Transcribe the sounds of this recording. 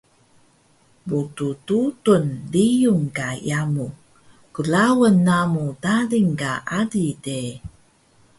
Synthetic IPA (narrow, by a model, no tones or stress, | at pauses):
butututunlijuŋkajamu | kəlawənːamutaliŋkaʔadide